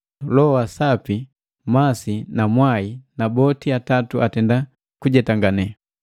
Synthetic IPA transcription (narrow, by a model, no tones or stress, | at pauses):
lɔwasapi | masinamwainabɔtiatatuatɛnda | kuɟɛtaŋɡanɛ